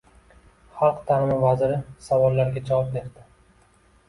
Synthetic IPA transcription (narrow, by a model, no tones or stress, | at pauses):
χɑlˠqt̪ʰaɾɪmɪvazɪɾɪsavɒlˠːaɾɡʲat͡ʃʰɒvɒp̚d̪eɾd̪ɪ